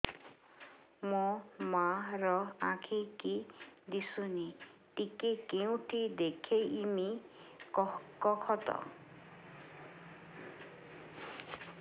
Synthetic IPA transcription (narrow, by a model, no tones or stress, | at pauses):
mɔmaɾɔãkʰikid̪isuniʈikekeũʈʰid̪ekʰejimi | kɔkʰɔt̪ɔ̰